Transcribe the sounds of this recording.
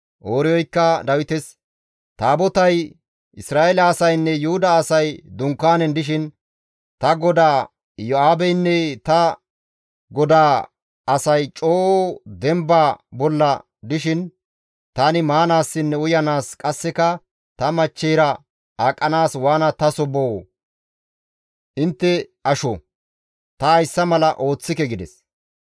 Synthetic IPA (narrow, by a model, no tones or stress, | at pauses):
ʔoːɾɪjɔjkːɐd̪ɐwɪt̪ɛs | t̪aːbɔt̪ɐj | ɪsɾaːʔelɐːsɐjnːɛjʊhʊd̪ɐːsɐjd̪ʊŋkːaːnɛnd̪ɪʃ̬ɪn | t̪ɐɡɔd̪aː | jɔaːbɛjnːɛt̪ɐ | ɡɔd̪aː | ɐsɐjt͡ʃʼoːd̪ɛmbaːbɔlːɐ | d̪ɪʃɪn | t̪anɪmaːnaːsːɪnːɛʊjɐnaːskʼɐsːɛkɐ | t̪ɐmɐt͡ʃːɛjɾɐ | aːkʼːɐnaːswaːnɐt̪ɐsɔbow | ʔɪnt̪ːɛɐʃɔ | t̪ɐɐjsːɐmɐlɐʔo̞ːt͡sːɪkɛɡɪd̪ɛs